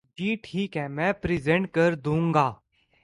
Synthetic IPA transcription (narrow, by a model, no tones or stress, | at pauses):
d͡ʒiːʈʰiːkɦɛ̃ːmɛ̃ːpɾɪzẽɳʈ̚kəɾd̪ũːŋɡaː